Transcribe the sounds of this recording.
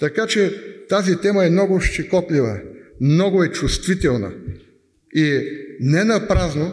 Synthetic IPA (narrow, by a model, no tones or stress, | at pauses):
t̪ɐkat͡ʃɛt̪azit̪ɛmɐɛmnɔɡoʃt͡ʃɛkɔplʲivəmnɔɡʊɛt͡ʃust̪vit̪ɛlˠnə̰ | inɛnɐpɾazno